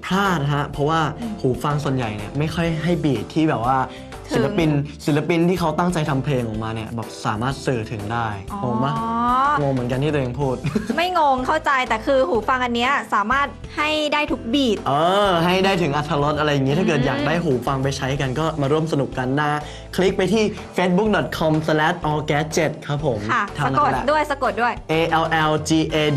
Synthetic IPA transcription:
pʰlaː˥˩t̪̚ɦa˦˥pʰɾɔ˦˥waː˥˩huː˩˦fa˧ŋsu˨˩ənja̰˨˩jni˦˥˩ɐma˥˩jxʰɔ˥˩jɦa˥˩jbiː˨˩t̪ʰːiː˥˩bɛː˨˩p̚waː˥˩ | t̪sʰla˦˧pi˧nsi˨˩˦la˧pi˧nt̪ʰiː˥˩kʰa˦˥wt̪a˥˩ŋt͡ɕa˧jt̪ʰa˧mpʰleː˧ŋʔɔː˨˩maː˧ni˦˩ɐbɛː˨˩p̚saː˩˦maː˥˩t̪̚sɯː˧˩t̪ʰɯ˩˦ŋdaː˥˩jŋoː˧ŋma˦˥ŋoː˧ŋm˩˦ənka˧nt̪ʰi˥˩ɾʔːŋpʰuː˥˩t̪̚ma˥˩jŋoː˧ŋkʰa˥˩wt͡ɕa˧jt̪ɛː˨˩kʰɯː˧huː˨˩˦fa˧ŋʔa˧nːi˦˥ɐsaː˩˦maː˥˩t̪̚ha˥˩jdaː˥˩jt̪ʰu˦˥k̚biː˨˩t̪̚ʔɤː˧ɦa˥˩jdaː˥˩jt̪ʰɯ˩˦ŋʔa˧t̪ʰːaː˧ɾo˦˥t̪̚ʔa˧ɾa˧jːa˨˩ŋːi˦t̪ʰa˥˩kɤː˨˩t̪̚jaː˨˩k̚daː˥˩jɦuː˩˦fa˧ŋp̬a˧jt͡ɕʰa˦˥jka˧nkɔː˥˩maː˧ɾu˥˩əms̬a˧nu˨˩kːa˧nːaː˥˩ | kʰli˦˥k̚pa˧jt̪ʰiː˥˩ | feː˦˥t̪̚bu˦˥k̚dɔ˨˩t̪̚kʰɔ˧msa˧lɛ˦˥t̪̚ʔɔː˧kɛː˦˥t̪̚t͡ɕe˨˩t̪̚kʰa˦˥pʰo˩˦mʰa˥˩t̪ʰaː˧˩na˦o˨˩˥ldu˥˩əjsa˧ko˨˩t̪̚du˥˩əjʔeː˧ʔɛ˧wʔɛ˧wt͡ɕiː˧ʔeː˧

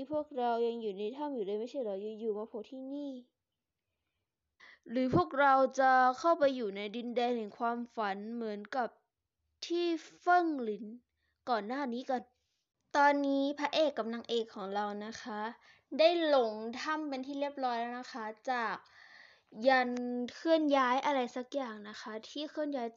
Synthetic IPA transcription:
pʰu˥˩ək̚ɾa˧wja˧ŋjuː˨˩na˧jt̪ʰa˥˩mjuː˨˩daː˧˩˨ma˥˩sʰa˥˩jɾa˧˩wja˧ŋjuː˨˩maː˧pʰo˧˦t̪ʰiː˥˩niː˥˩ | ɾɯː˩˦pʰu˥˩ək̚ɾa˧wt͡ɕa˨˩kʰa˥˩wpa˧jːuː˨˩na˧jdi˧ndɛː˧nhɛ˨˩ŋkʰwaː˧mfa˨˩˦nmɯ˩˦ənka˨˩p̚ | t̪ʰiː˥˩fɤ˥˩ŋli˨˩˦n | kɔː˨˩nːaː˥˩niː˦˥ka˧n | t̪ɔː˧nːiː˦˥pʰa˧ʔeː˨˩kːa˧mla˧ŋʔeː˨˩kʰːɔː˩˦ŋɾa˧wna˦˥kʰa˦˥ʔ | da˥˩jlo˨˦ŋt̪ʰa˧˥˩mpe˧nt̪ʰiː˥˩li˥˩əp̚lɔː˦˥jlɛː˧˩˨na˦˧˥xʰa˦˥t͡ɕaː˨˩k̚ | ja˧nkʰɯ˥˩ənjaː˦˥jʔa˧ɾa˧jsa˧˩k̚jaː˨˩ŋna˦˥xʰa˦˥t̪ʰiː˥˩kʰɯ˥˩ənjaː˦˥j

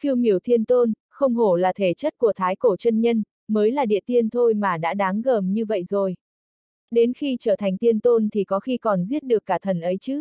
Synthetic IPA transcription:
fi˧əwmi˧˩əwt̪ʰi˧ənt̪o˧n | xə˧wŋ͡mɦo˧˩laː˨˩t̪ʰe˧˩t͡ɕə˦˥t̚ku˧˩ət̪ʰaː˨˦jko˧˩t͡ɕə˧nɲə˧n | məː˨˦jlaː˨˩ɗḭ˧˨ət̪i˧ənt̪ʰo˧jmaː˨˩ɗa̰ː˧˥ɗaː˨˦ŋɣəː˨˩mɲɨ˧və̰˧˨jzo˨˩j | ɗe˨˦nxi˧t͡ɕəː˧˩t̪ʰa˨˩jŋ̟t̪i˧ənt̪o˧nt̪ʰi˨˩kɔ˨˦xi˧kɔ˨˩nzi˦˥ət̚ɗɨ˨˩əkːaː˧˩t̪ʰə˨˩nʔə˨˦jt͡ɕɨ˨˦

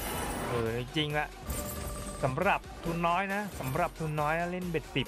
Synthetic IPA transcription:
ʔɤː˧˩ti˧ŋt͡ɕi˧ŋla˧ʔ | sa˩˦mɾa˨˩p̚t̪ʰuː˧nːɔː˦˥jna˦˥sa˩˦mɾa˨˩p̚t̪ʰuː˧nːɔː˦˥jna˦˥le˥˩nbe˨˩t̪̚si˨˩p̚

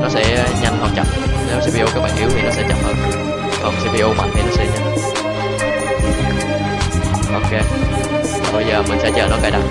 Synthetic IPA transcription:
nɔ˨˦sɛ̰˧˥ɲa˧ŋhə˧˩t͡ɕə̰˨˩m̚ne˨˦wsi˧vi˧ʔo˧kaː˨˦k̚ɓa̰ː˧˨ŋʔi˨˦wt̪i˨˧˩nɔ˨˦sɛ̰˧˥t͡ɕə̰˧˩m̚həː˧n | kɔ˨˩ŋ͡msi˧vi˧ʔo˧ma̰ː˨˩ŋka˧˦n˨˦˥sḭ˧ɲa˧ | ʔo˨ke˧ | va˨˩ɓə˧jzəː˨˩mï˨˩ŋ̟sɛ̰˧˥t͡ɕəː˨˩nɔ˨˦kaː˧jɗa̰˧˩

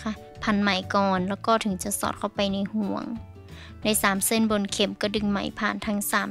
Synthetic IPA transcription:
kʰa˧ | pʰa˧˦nma˨˩˦jkɔː˨˩nlɛː˧˩wkɔː˧˩t̪ʰɯ˨˦ŋt͡ɕa˧˦sɔ̰ː˧˩t̪̚ʰa˧˩wpa˨jna˧˨jhu˧˩˦əŋ | da˧˥˩jsaː˨˩˦mse˧˥˨nbo˧˨nkʰe˨˧˦mkɔ˧˩dɯ˧˩ŋma̰˧˦jpʰaː˧˩nt̪ʰa˧˥ŋsaː˨˦m

